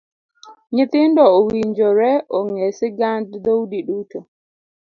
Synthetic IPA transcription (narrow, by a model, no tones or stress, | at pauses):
ɲit̪indɔɔwiɲd͡ʒɔɾɛʔɔŋɛsɛɡandd̪owdiɗuːtɔ